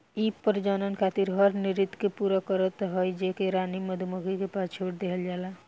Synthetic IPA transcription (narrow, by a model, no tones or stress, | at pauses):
ipəɾd͡ʒanənkʰat̪iɾɦəɾniɾit̪kepuɾakəɾət̪ɦəjd͡ʒekeɾaniməd̪ʱumuɡikepast͡ʃʰoːɽd̪eɦəld͡ʒaːla